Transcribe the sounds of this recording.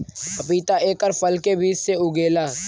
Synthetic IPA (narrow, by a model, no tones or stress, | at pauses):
ɐpiːt̪aʔeːkəɾfəlkebiːd͡ʒseʊɡeːlaː